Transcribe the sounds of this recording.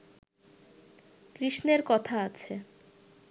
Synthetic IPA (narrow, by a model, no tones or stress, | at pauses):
kɾiʃneɾkɔt̪ʰaat͡ɕʰe